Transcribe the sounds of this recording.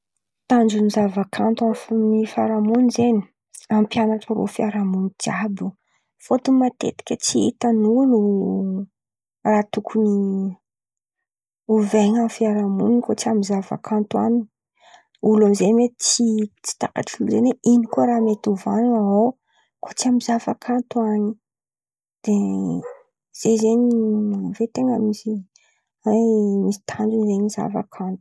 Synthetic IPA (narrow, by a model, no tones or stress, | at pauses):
t̪and͡ʒunizavakʰant̪uamfnifaɾamunizeni̥ | ampjanaʈ͡ʂəɾo̰fiaɾamunid͡ʒabu | fot̪umat̪ḛt̪i̥kʲət͡siit̪anunu | raːt̪ukʰuni | uveɲamfiaɾamuninkot͡siamizava̰kʰant̪wanii | ulamzemet̪it͡sit͡si̥t̪aka̰ʈ͡ʂiluzeneʔinikoɾamet̪uvanunaɦo | kʰo̥t͡siamizavakʰant̪uaɲi | d̪̥e | z̥ezeɲivet̪eŋamisi | emisi̥t̪ʰand͡ʒunizeɲiza̰va̰kʰant̪u̥u̥